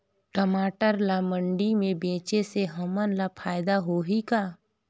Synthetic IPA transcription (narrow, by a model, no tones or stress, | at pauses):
ʈəmaːʈəɾlamə̃ɳɖimẽbẽːt͡ʃeseɦəmənlapʰaːjd̪aɦoɦikaː